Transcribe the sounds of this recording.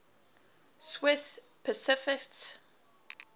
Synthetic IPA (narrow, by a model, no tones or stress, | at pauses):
swɪs | pʰəsɪfɪkts